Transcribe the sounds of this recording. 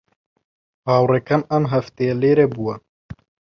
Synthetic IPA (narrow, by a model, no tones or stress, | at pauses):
hɑːwrekɐmɐmɦɐft̪ejɛleːɾebuwɐ